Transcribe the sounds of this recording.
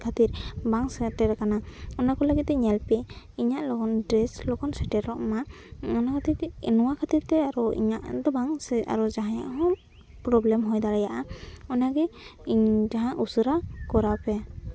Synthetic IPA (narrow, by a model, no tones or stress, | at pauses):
kʰat̪iɾbaŋsɛtɛɾɛkanaɔnakɔləɡit̪̚ɛɲɛlpɛ | iɲaʔlɔɡɔndɾɛslɔkɡɔnsɛʈɛɾɔʔma | ɔnakʰat̪iɾɛnɔwakʰat̪iɾt̪ɛaɾuḭɲaʔd̪ɔbaŋsa̰ɾud͡ʒaɦãjaʔɦɔ | pɾɔblɛmɦɔjd̪aɾajaʔaɔnaɡɛ | d͡ʒaɦãʔusɯɾakɔɾapɛ